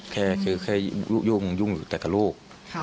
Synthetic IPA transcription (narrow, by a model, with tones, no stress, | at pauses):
kʰɛː˧˥˩kʰɯ˧˩kʰa˧˥˩ju˧˥˩ŋju˧˩˨ŋju˨˩t̪ɛː˨˩k̪a˨˩luː˥˩k̚